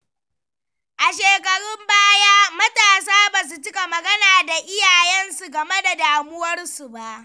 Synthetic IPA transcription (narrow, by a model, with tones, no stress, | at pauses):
ʔa˨ʃeː˨kɐ˨ɽʊ˦mbaː˦jaː˦mɐ˦taː˨saː˦baː˨s̬u˨t͡ʃɪ˦ka˨mɐ˨ɡɐ˦naː˨da˨ʔɪ˦jaː˨jɛ˦nsu˨ɡɐ˨me˦da˨daː˨mʊ˦wɐ˦rsu˨ba˦˨ʔ